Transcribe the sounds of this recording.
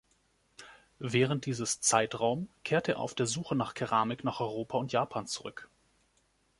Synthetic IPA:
vɛːʁ̞ənt̚d̥iːzəst͡saɪtʁaʊmkʰeːɐteːɐʔa̰ʊfd̥eːɐzuːxənaːχkʰɛʁaːmɪknaːχɔʏʁ̞oːpʰaʊntjaːpʰaːnt͡suʁʏk

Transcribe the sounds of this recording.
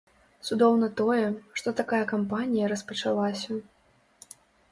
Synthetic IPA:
t̪sud̪ɔwnɐt̪ɔjɛʂt̪ɔt̪akajɐkampanʲijɐɾɐspɐt͡ʂalˠasʲɐ

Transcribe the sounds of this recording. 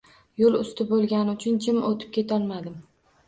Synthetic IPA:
jolˠʊst̪ʰɪbolˠɡʲanɪʊt͡ʃʰʊnt͡ʃʰɪmot̪ʰɪ̥p̚kʲʰe̞t̪ʰɒlˠmad̪ɪm

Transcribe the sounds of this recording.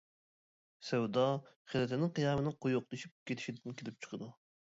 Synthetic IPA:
sɛwd̪ɑ | χɪlɪt̪ʰɪnɪŋqʰijɑmɨnɪqʰojoq̚d̪eʃip̚kʲʰet̪ʰɪ̥ʃid̪ɪnkʲʰelɪp̚t͡ʃʰɨ̥qʰəd̪u

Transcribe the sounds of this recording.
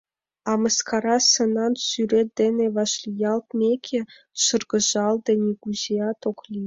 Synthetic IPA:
ɑmɤ̆skɑɾɑsɤ̆nɑnsyɾʲed̪ʲenʲeʋɑʃlʲijɑlˠt̪̚mʲekʲʰĕ | ʃɤ̆rɡɤ̆ʒɑlˠd̪ɤ̆nʲiɡuzijɑt̪oklʲi

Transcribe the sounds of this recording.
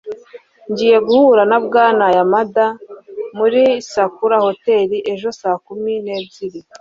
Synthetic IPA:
ɲɟiːje̞ɡuhuɾanabɡaːnajamadamuɾisakuɾaho̞te̞ːɾiʔe̞ʒo̞saːkumine̞ːbziɾi

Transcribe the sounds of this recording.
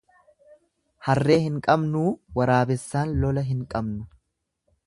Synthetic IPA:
hɐrːe̞ːhɪŋkʼɐbnuːwɐɾaːbɛsːaːnlɔlɐɦɪŋkʼɐbnɐ

